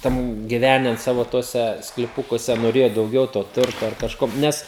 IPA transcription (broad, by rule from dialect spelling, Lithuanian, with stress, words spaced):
ˈtʲɛn ɡʲɪˈʋʲæːnʲɛn ˈsɑːʋoː ˈtuɔsʲɛ sklʲɪˈpʊkuɔsʲɛ noːˈrʲeːjoː dɐʊˈɡʲɛʊ toː ˈtʊrtoː ɐr kɐʃˈkoː ˈnʲɛs